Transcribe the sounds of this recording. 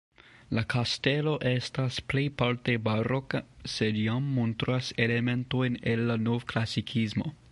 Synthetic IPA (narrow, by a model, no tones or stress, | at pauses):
lakʰaste̞lo̞ʔe̞stasple̞jpaɾte̞baɾokase̞djamːontɾase̞le̞me̞ntojne̞lːanovklasikʰismo̞̰